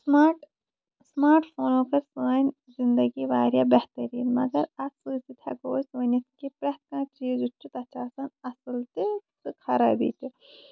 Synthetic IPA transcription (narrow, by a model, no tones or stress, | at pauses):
smaːʈ | smaːɾʈpʰoːnoːkɐɾsəːnʲ | zind̪ɐɡiʋaːɾjaːbɛht̪ɐɾḭːnmɐ̰ɡɐɾɐsuːsit̪ʰɐ̰ɡoːsuːnʲɐt̪kipɾɐt̪kãːʈiːjod͡ʒut͡ʃːut̪ɐt͡ʃaːsɐnɐsɨlt̪ikɨkʰɐɾa̰ːbḭːt̪i